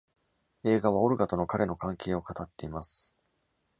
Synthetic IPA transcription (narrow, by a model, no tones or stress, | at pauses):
e̞ːɡaβ̞ao̞ɾɯ̟ɡat̪o̞no̞kaɾe̞no̞kãŋke̞ːo̞kat̪at̪ːe̞imasɨ̥